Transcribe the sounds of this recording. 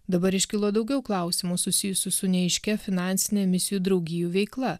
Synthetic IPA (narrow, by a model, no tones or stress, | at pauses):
d̪ɐbɐɾɪʃʲkʲɪlˠoːd̪ɒʊɡʲɛʊklˠɐˑʊsʲɪmuːsʊsʲɪjʊsʲɪsʊnʲɛɛɪʃʲkʲɛfʲɪnɑˑnʲsʲɪnʲɛmʲɪsʲɪjuːd̪ɾɒʊɡʲɪjuʋʲɛɪklˠɐ